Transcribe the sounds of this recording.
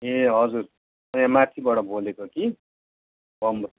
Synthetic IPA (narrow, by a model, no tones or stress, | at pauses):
eɦʌd͡zur | ʌjãmat̪ʰibʌɽʌbʱolekoki | bʱʌmr